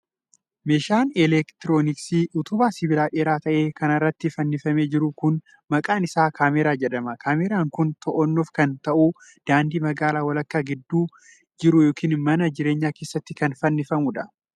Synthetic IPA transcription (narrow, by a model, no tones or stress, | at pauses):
meːʃaːnɛlɛkt̪ɪɾoːnɪksiːʔʊt̪ʊbaːsɪbɪlaːᶑeːɾaːt̪ɐʔe̞ːkɐnɐrːɐt̪ːɪfɐnːɪfɐme̞ːd͡ʒɪɾʊkʊn | mɐkʼaːnɪsaːkʰaːmeɾaːd͡ʒɛᶑɐmɐkʰaːmeːɾaːŋkʊnt̪ɔʔɔnːofkɐnt̪ɐʔuː | d̪̥aːnd̪iːmɐɡaːlaːwɐlɐkːaːɡɪd̪ːuː | d͡ʒɪɾʊjo̞ːkʰiːnmɐnɐd͡ʒɪɾe̞ːɲːaːke̞ːsːɐt̪ːɪkɐnfɐnːɪfɐmuᶑɐ